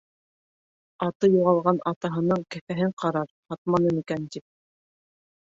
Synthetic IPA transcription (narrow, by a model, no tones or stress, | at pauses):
ɑt̪ɤjuʁɑlˠʁɑnɑt̪ɑɦɤ̆nɤɴkæfæɦɘɴqʰɑɾɑɾhɑt̪mɑnɤnikænt̪ip̚